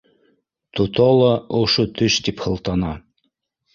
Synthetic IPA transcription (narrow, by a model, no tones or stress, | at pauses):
t̪ot̪ɔlˠɑoʃot̪ɵʃt̪iphɤ̆lˠt̪ɑnɑ